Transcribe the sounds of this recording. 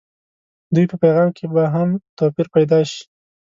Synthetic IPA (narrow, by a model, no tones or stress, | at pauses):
d̪ujpəpajɣɑmkʰebaɦamt̪ɑpiɾpajd̪ɑʃi̥